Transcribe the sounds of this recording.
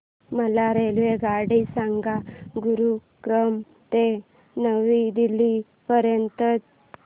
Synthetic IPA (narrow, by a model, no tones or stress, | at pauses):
məlaɾelʋeɡaɽisaŋɡaɡuɾu | kɾəm | t̪e | nəʋid̪ili | pəɾjənt̪ət͡s